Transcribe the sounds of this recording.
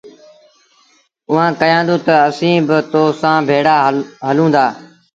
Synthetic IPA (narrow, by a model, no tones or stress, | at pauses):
ʊɦãːkəjãːnd̪õːt̪əəsĩːbɪt̪oːsãːbʱeːɽaːɦəlũːnd̪aː